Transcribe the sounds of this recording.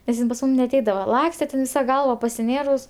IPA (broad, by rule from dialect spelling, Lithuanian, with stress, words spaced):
nʲɛs ˈjɪn pɐs ˈmuːm nʲɛɐˈtʲɛɪdɐʋɐ ˈlˠɑːksʲtʲɛ tʲɛn ˈʋʲɪsɐ ˈɡɐlˠʋɐ pɐsʲɪˈnʲeːrʊs